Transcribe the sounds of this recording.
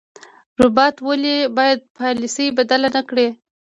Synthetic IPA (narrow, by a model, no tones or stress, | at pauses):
ɾʊbɑt̪wəlibɑjad̪̚pɑlisəjbad̪alanakɽe